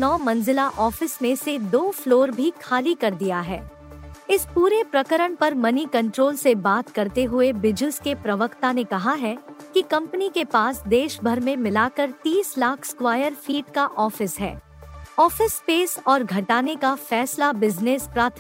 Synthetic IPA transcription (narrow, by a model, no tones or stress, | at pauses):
nɔːmɐ̃nzɪlaʔɔːfɪsmẽsed̪oːfloːɾbʱikʰaːlikɐɾd̪ijaɦɛ̰ː | ɪspuːɾepɾɐkəɾəɽ̃pɐɾmɐnikɐ̃ɳʈɾoːlsebaːt̪kɐɾt̪eɦʊebɪd͡ʒɪlskepɾɐʋəkt̪anekɐɦaɦɛkikɐ̃mpənikepaːsd̪eːʃbʱɐɾmẽmɪlaːkəɾt̪iːslaːkʰskwaːjəɾfiːʈkaʔɔːfɪsɦɛ̰ː | ɔːfɪspeːsɔːɾɡʱɐʈaːnekafɛːslabɪznespɾaːt̪ʰ